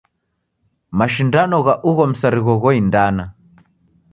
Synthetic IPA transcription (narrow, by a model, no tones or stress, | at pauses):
maʃindanɔɣaʔuɣɔm̩saɾiɣɔɣɔindana